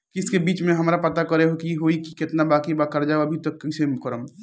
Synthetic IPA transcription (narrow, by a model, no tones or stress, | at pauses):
kɪskebiːt͡ʃmẽɦɐmɾapɐt̪akɐɾeɦokiɦoiki̥kɪt̪nabaːkibakɐɾd͡ʒaːoɐbʱit̪ɐkːisemʊkəɾəm